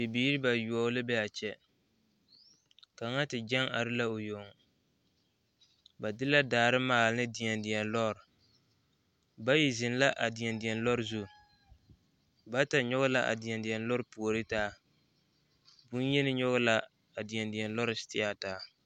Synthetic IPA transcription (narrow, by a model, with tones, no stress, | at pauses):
bɪ˨biː˨˦ɾɨ˦ba˨ju˨ɔ˨˦lɨ˦bɛ˦a˨t͡ʃɛ˦ | ka˨ŋa˦tɪ˨d͡ʒɛ˦ŋa˨ɾɨ˦la˦o˨jo˨ŋ˨ | ba˨dɪ˦la˦daː˨ɾɨ˦maː˨lɨ˦nɨ˦dɪ˨ɛ˨ndɪ˨ɛ˨nlɔ˦˨ɾ | ba˦ji˨zɪ˨n˦la˦ʔa˨dɪ˨ɛ˨ndɪ˨ɛ˨nlɔ˦ɾɨ˦zu˦ | ba˦ta˨ɲɔ˦ɣʊ˦la˦ʔa̰˨dɪ˨ɛ˨ndi˨ɛ˨n˦lɔ˦ɾɨ˦pu˨o˨ɾɨ˦taː˦ | bu˦n˦jɛ˦nɨ˦ɲɔ˦ɣʊ˦la˦ | a˨dɪ˨ɛ˨ndɪ˨ɛ˨nlɔ˦ɾɨ˦stɪ˦a˦˨taː˦